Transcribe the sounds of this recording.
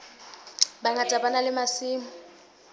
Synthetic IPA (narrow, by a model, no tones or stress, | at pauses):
baŋɡatʼabanalɪmasiːmʊ